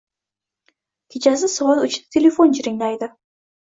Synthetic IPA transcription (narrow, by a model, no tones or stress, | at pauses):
kʲʰet͡ʃʰasɪsʊwɑlˠʊt͡ʃ̪ʰt̪ʰelefont͡ʃʰɪɾɪŋlajd̪ɪ